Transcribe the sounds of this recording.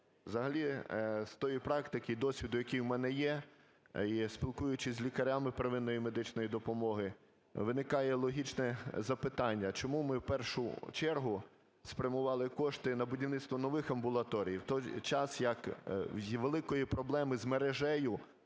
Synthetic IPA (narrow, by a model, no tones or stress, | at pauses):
wzɐɦɐlʲist̪ɔjipɾɑkt̪ɪkɪjd̪ɔsʲʋʲid̪ʊjɐkʲijwmɛnɛjɛ | ispʲilˠkujʊt͡ʃɪsʲzʲlʲikɐɾʲamɪpɾeʋɪnːɔjimed̪ɪt͡ʃnɔjid̪ɔpɔmɔɦɪ | ʋɪnɪkɑjɛlˠɔɦʲit͡ʃnɛzɐpɪt̪ɑnʲːɐt͡ʃɔmumɪwpɛrʃʊt͡ʃɛrɦʊ | spɾʲɐmʊʋɑlˠɪkɔʃt̪ɪnɐbʊdʲiwnɪt̪st̪ʋɔnɔʋɪxɐmbʊlˠɐt̪ɔɾʲijiwt̪ɔjt͡ʃɑsjɐk | ʋelˠɪkɔjipɾɔblˠɛmɪzmeɾeʒɛjʊ